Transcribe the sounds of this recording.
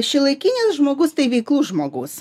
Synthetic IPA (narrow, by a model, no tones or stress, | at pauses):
ʃʲɪlˠɐɪkʲinʲɪsʒmoːɡʊst̪ɐɪʋʲɛɪklˠuːʒmoːɡʊs